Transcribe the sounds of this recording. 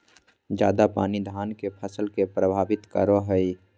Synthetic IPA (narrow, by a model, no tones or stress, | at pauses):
d͡ʒjaːd̪apaːnid̪ʱaːnkepʰəsəlkepɾəbʱaːbɪt̪kə̰ɾoɦəi